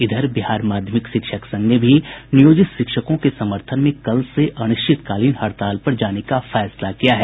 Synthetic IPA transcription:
ɪd̪ʱəɾbɪɦaːɾmaːd̪ʱjəmɪkʃɪkʃəksɐ̃ŋɡnebʱinijoːd͡ʒɪt̪ʃɪkʃəkõkesɐməɾt̪ʰənmẽkɐlseʔɐñʊʃt͡ʃɪt̪kaːliːnɦɐɾt̪aːlpɐɾd͡ʒaːnekafɛːslakijaɦɛː

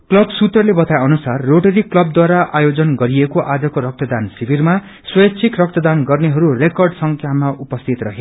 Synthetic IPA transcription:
klʌbsut̪rʌlebʌt̪ajʌnusarːoʈʌɾiklʌb̚d̪waɾaʔajod͡zʌnɡʌɾiekoʔad͡zʌkoɾʌk̚t̪ʌd̪ansibirma | swʌjʌt͡sʰikrʌk̚t̪ʌd̪anɡʌrneɦʌɾurekʌrɖsʌŋkʰjamaʔupʌst̪ʰit̪rʌɦe

